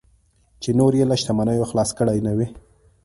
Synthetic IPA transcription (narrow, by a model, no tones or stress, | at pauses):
t͡ʃenoɾjelaʃt̪amanəjoxlɑskəɽajnawi